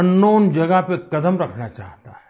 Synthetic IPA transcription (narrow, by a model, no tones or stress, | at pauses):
ɐnːoːnd͡ʒɐɡəɦpekɐd̪əmɾɐkʰnat͡ʃa̰ːɦt̪aɦɛ